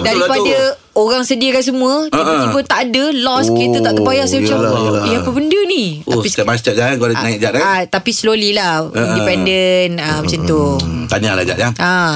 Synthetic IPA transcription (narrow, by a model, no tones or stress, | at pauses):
daɾipada | oɣaŋsədiakans̬əmũəəibət̪aʔadəlɔskit̪ət̪aʔt̪əpajaʔsajəmət͡ʃaaiapəbəndənit̪oaisamast͡ʃaʔd͡ʒaankolanãik̚d͡ʒaʔaat̪apislolilahindipɛndənamət͡ʃant̪ut̪aɲala̰d͡ʒa̰ʔjaʔa